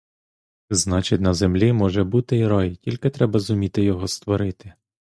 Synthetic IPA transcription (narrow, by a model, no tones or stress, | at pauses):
znɑt͡ʃɪtʲnɐzemlʲimɔʒɛbut̪ɪiɾɑjtʲilʲkɪt̪ɾɛbɐzʊmʲit̪ɪjɔɦɔst̪ʋɔɾɪt̪ɪ